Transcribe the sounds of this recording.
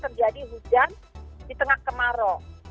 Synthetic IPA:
t̪ərd͡ʒadiɦud͡ʒandit̪əŋahkəmaɾɔ

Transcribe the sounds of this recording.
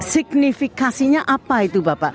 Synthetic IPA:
sɪɡnifikãsiɲãʔapːaːit̪ubapa

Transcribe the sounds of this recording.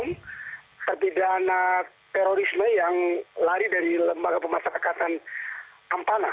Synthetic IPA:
m | t̪ərpidana | t̪ɛɾoɾisməjaŋlaɾidaɾiləmbaɡapəmaʃaɾakat̪an | ʔampana

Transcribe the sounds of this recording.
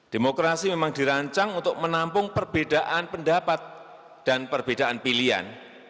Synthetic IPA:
d̥emokɾasimemaŋdiɾaɲt͡ʃaŋunt̪ʊk̚mənampʊŋpərb̥edaʔanpəndapat̪̚ | d̥anpərbed̥aʔanpilia̰n

